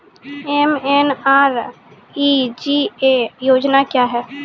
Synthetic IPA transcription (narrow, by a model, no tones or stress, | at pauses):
emenaːɾ | id͡ʒiːeːjoːd͡ʒnakjaːɦɛː